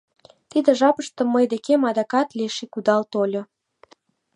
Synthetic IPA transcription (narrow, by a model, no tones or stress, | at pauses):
t̪id̪ĕʒɑpəʃt̪ə̆mːəjd̪ekemɑd̪ɑkɑt̪leʃikud̪ɑlt̪olʲo